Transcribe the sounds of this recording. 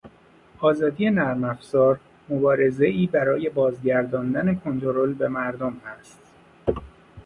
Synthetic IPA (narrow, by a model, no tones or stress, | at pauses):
ʔɒːzɒːd̪ije̞næɾmæfz̥ɒːɾ | mo̞bɒːɾe̞ze̞iːbæɾɒːje̞bɒːzɟæɾd̪ɒːnd̪æne̞kʰo̞nt̪ʰoɾolbe̞mæɾd̪omhæst̪